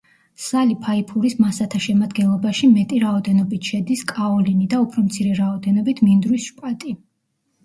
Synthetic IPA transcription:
salipʰaipʰuɾismasat̪ʰaʃɛmad̪ɡɛnlˠɔbaʃimɛt̪ʼiɾaɔd̪ɛnɔbit̪ʰʃɛd̪iskʼaɔlinid̪aupʰɾɔmt̪sʰiɾɛɾaɔd̪ɛnɔbit̪ʰmind̪ɾwisʃpʼat̪ʼi

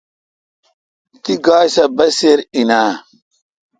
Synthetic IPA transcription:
tiɡajsabaseɾina

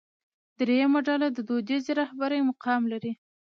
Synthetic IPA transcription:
d̪ɾejamaɖalad̪əd̪od̪ezeɾahbaɾəjmʊqɑmlaɾi

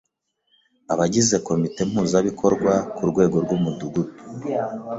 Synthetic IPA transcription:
aβaɟize̞ko̞mite̞m̥huːzaβikʰo̞ɾɡwakuɾɡwe̞ːɡo̞ɾɡumuduɡubu̥

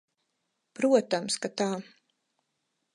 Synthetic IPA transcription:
pɾuɔt̪amskat̪aː

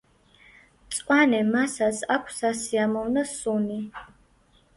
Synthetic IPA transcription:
t͡sʼkʼanɛmasasakʷʰsasiamɔvnɐsuni

